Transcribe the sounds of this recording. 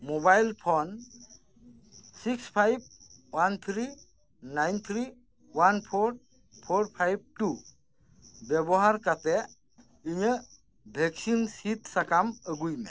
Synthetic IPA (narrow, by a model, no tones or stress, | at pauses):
mobajlpʰɔn | sikspʰajb̚want̪ʰɾi | najnt̪ʰɾi | wanpʰoɾ | pʰoɾpʰajb̚ʈu | bebɔɦaɾkat̪ɛ | iɲə | bʱeksinsit̪sakaməɡujme